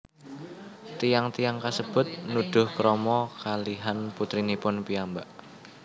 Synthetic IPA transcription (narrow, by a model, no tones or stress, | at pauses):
t̪ijaŋt̪ijaŋkasəb̥ʊ̤t̪̚nuɖ̥ʊ̤hkɾɔmɔkaliɦanput̪ɾinipʊnpiambaʔ